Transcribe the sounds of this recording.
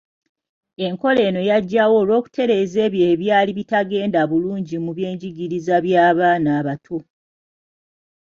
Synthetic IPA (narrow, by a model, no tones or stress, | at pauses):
e̞ŋko̞le̞ːno̞jaɟːawo̞ːlwo̞ːku̥te̞ɾe̞ze̞ːβjeːβjaːliβitaɡe̞ːndaβuluːɲɟimuβje̞ːɲɟiɡiɾizaβjaːβaːnaːβatʰo